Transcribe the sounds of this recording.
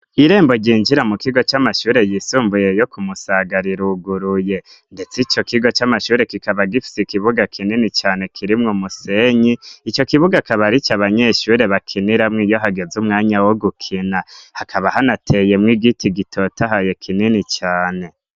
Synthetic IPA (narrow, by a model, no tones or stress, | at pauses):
iɾe̞ːmbo̞ɾɟiːnd͡ʒiɾamukiɡo̞t͡ʃamaʃuːɾe̞jisuːmbuje̞jo̞kumusaɡaɾiɾuɡuɾuje̞ | nde̞t͡sit͡ʃo̞kiɡo̞t͡ʃamaʃuːɾe̞kikaβaɡifi̥sikiβuɡakʰininit͡ʃaːne̞kʰiɾimŋomuseɲiit͡ʃo̞kiβuɡakaβaɾit͡ʃaβaɲe̞ʃuːɾe̞βakʰiniɾamŋijo̞ɦaɡe̞zumŋaːɲawoɡukʰinahakʰaβahanatʰe̞je̞mŋiːɡitiɡitʰo̞taɦaje̞kʰininit͡ʃaːne̞